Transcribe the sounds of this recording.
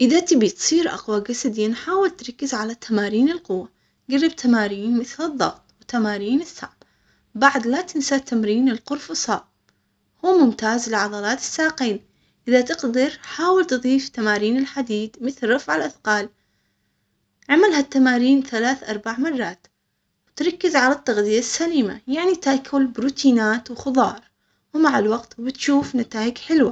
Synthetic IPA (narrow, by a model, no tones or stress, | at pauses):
ʔɪðat̪ɪbit̪sˤiːɾʔɑ̰qwaɡasad̪ɪnħaːwɪlt̪ɾˤɑkːɪzʕalat̪amaːɾiːnɪlqʊwːa | ɡarːɪb̚t̪ʰamaːɾiːnmɪθlɨðˤːɑ̰ɣt̪ˤwt̪ːamaːɾiːnɪsːa̰ːb | baʕd̪lat̪ɪnsat̪ːamɾiːnɪlqʊɾfʊsˤɑː | huːmʊmt̪aːzlɪʕɑd̪ˤɑlɑːt̪ɪ̥sːaːqeːn | ʔɪðat̪ɪqd̪ɑɾħaːwɪlt̪ɨðˤiːft̪amaːɾiːnɪlħad̪iːd̪mɪθlɾˤɑfʕɪlʔaθqɑːl | ʕamalhat̪ːamaːɾiːnθalaːθʔɑɾˤbaʕmɑrˤːɑːt̪ | wt̪ɾˤɑkːɪzʕalat̪ːɑɣd̪ɪjasːaliːma̰jaʕnit̪akʰːʊlbɾuːt̪ʰiːnaːt̪wxʊðˤɑːɾˤ | wmaʕalwaqt̪bɪt̪ʃuːfnat̪aːʔɪɡħɪlwa